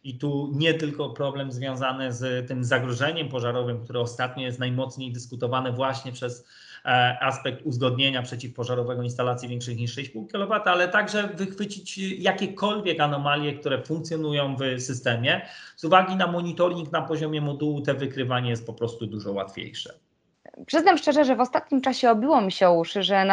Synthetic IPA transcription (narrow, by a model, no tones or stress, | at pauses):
it̪uɲɛt̪ɘlkɔpɾɔblɛmzvʲjɔ̃w̃zanɘzt̪ɘmzaɡɾɔʐɛɲɛmpɔʐaɾɔvɘmkt̪uɾɘɔst̪at̪ɲɔjɛst̪najmɔt̪sɲejd̪ɘskut̪ɔvanɛvwaɕɲɛpʂɛs | ʔaspɛk̚t̪uzɡɔd̪̚ɲeɲapʂɛt͡ɕifpɔʐaɾɔvɛɡɔinst̪alat̪sʲjivʲjɛ̃ŋkʂɘxɲiʂːɛjpuwkʲilɔvat̪ɘalɛt̪aɡʐɛvɘxfɘt͡ɕit͡ɕjakʲɛkɔlvʲjɛkanɔmalʲjɛk̚t̪uɾɛfuŋk̚t̪sʲjɔnujɔ̃w̃vsɘst̪ɛmʲjɛ | zuvaɡʲinamɔɲit̪ɔɾʲiŋknapɔʑɔmʲjɛmɔd̪uwut̪ɛvɘkɾɘvaɲɛjɛst̪̚pɔpɾɔst̪ud̪uʐɔwa̰t̪fʲjḛjʂɛ̰ | pʂɘznamʂt͡ʂɛʐɛʐɛvɔst̪at̪̚ɲimt͡ʂaɕɛɔbʲiwɔmʲiɕɛuʂʐɛn